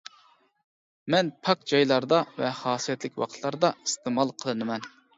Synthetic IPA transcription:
mɛnpʰɑk̚d͡ʒɑjlˠɑɾd̪ɑvɛhɑːsijɛt̪lɪkʲwɑ̰qʰt̪ʰlˠɑɾd̪ɑist̪emɑlˠqʰəlˠɨnɨmɛn

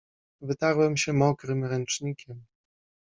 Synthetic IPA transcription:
vɘt̪aɾwɛmɕɛmɔkɾɘmɾɛnt͡ʂɲikʲʰɛm

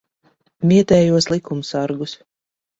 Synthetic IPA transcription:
mʲiɛt̪ɛːjuɔslˠikumsaɾɡus

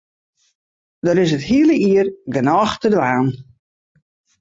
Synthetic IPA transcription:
dɔɾɪsəthiələiərɡənɔːxtədʋaːn

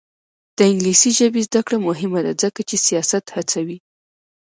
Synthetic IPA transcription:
d̪̥əɪŋɡlisiʒəbezd̪akɽamʊɦɪmad̪ad͡zəkat͡ʃesijɑsat̪hat͡sawi

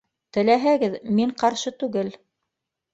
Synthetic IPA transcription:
t̪ɘ̆læɦæɡɘðmiɴqɑɾʃɤt̪ʉɡɘl

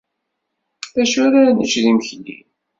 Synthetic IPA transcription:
θæʃʊɾanət͡ʃðiməçlḭ

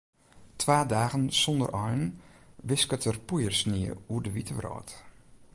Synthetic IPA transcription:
tʰʋaːdaːɣənsɔndə̰rʔɔjnʋɪskətərpujərsniəuərdəʋitəʋrɔ̰ːt

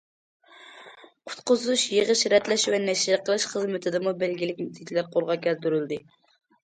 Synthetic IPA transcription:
qʰʊ̥t̪qʊzuʃjeʁəʃɾɛt̪lɛʃvɛnɛʃɾqʰəlˠɨʃχəzmɪt̪ʰɪd̪ɪmubɛlɡʲilɪk̚ʲmut̪ʰɪkʲʰilæɾqʰolˠʁɑkʲɛzd̪yɾyld̪ɪ

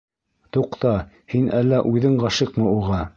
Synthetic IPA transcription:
t̪uqt̪ɑ | hinʔælːæʔʉðɘɴɢɑʃɤqmɤuʁɑ

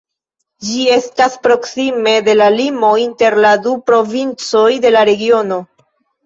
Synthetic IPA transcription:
d͡ʒie̞staspɾo̞ksime̞de̞lalimo̞inte̞ɾladupɾo̞vint͡so̞jde̞laɾe̞ɡio̞no̞

